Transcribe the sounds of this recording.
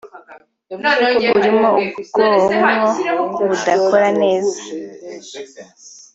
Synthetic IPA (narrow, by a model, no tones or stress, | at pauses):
uɡuɾimŋoubɡoɦomŋoβudakoɾane̞ːza